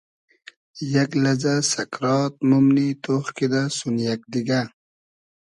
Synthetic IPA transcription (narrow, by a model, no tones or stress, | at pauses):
jɐklɐd͡ʑasɐkɾɑːt̪̚mumnit̪oχkid̪asunjak̚d̪iɡa